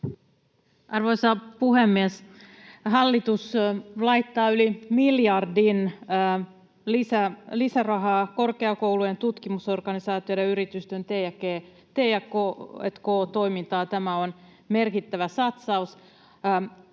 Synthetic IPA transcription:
ɑrʋoisɑpuhemːies | ɦɑlːit̪uslɑit̪ːɑːylimiljɑrdin | lisælisærɑɦɑːko̞rkeɑkowluent̪ut̪kimuso̞rɡ̥ɑnisɑːt̪iodɑyɾit̪yst̪ønt̪ejækeː | t̪ejækoḛt̪koːt̪o̞imint̪ɑːt̪æmæon | merkit̪ːæʋæsɑt̪sɑus

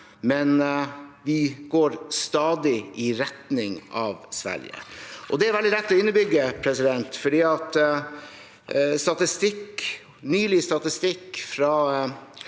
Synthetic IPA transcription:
mɛnʋɪɡoːɾst̪ɑːd̪ɪʔɪɾɛt̪nɪŋʔɑʋsʋæ̰ɾjə̰ʔɔd̪ɛæɾʋɛld̪ɪlɛt̪ːɔɪnːəbʏɡːəpʰɾɛsɪd̪ɛnt̪fɔɖiːɑt̪ | st̪ɑt̪ɪst̪ɪk | nyːlɪst̪ɑt̪ɪst̪ɪkːfɾɑ

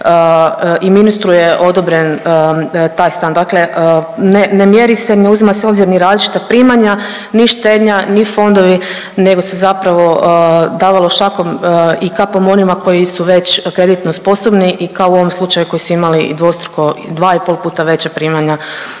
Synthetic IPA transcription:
iminust̪ɾujeʔo̞d̪o̞bɾe̞n | t̪aːjst̪and̪akle̞ʔənenemje̞ɾiseneuzimaseo̞bziɾniɾaːzlit͡ʃi̥t̪apɾiːmaɲa | niʃt̪e̞d̪ɲanifo̞nd̪o̞ʋi | ne̞ɡosezapɾaʋo̞d̪aːʋalˠoʃako̞mikapomo̞nimakʰo̞jisuʋe̞t͡ɕkɾe̞d̪it̪no̞spo̞so̞bniʔikaouo̞ʋomslˠut͡ʃajuko̞jisuimaliḭd̪ʋost̪ɾo̥koid̪ʋaːipo̞lˠpuːt̪aʋe̞t͡ɕapɾiːmaɲa

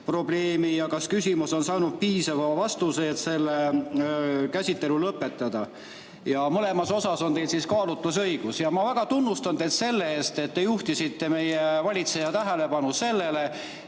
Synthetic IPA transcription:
pro̞ble̞ːmijɑkɑskysʲimuso̞nsɑːnud̪̥̚piːsɑvɑvɑst̪useːt̪se̞lːe | kæsʲit̪ːe̞lulɤpːˑe̞t̪ˑːɑd̪̥ɑ | jɑmɤle̞mɑso̞sɑso̞nt̪e̞jd̪siskɑːlut̪ːˑusɤjɡ̥usjɑmɑvæɡ̥ɑt̪unːust̪ɑnd̪et̪se̞lːeeːst̪e̞t̪ːe̞juht̪isit̪ːe̞me̞jevɑlʲit̪se̞jɑt̪æɦele̞pɑnuse̞lːe̞le̞

